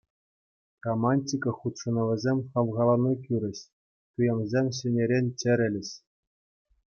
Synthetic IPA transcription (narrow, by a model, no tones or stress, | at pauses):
romɑnʲtʲikɤ̆χut̪ʂɤ̆nɤ̆ʋʲɘ̆zʲemʲχɑʋʁɑlˠɑnik̬ʲyɾʲɘ̆ɕ | tujɤ̆mzʲemʲɕɘ̆nʲeɾʲenʲt͡ɕɘ̆ɾʲɘ̆lʲɘ̆ɕ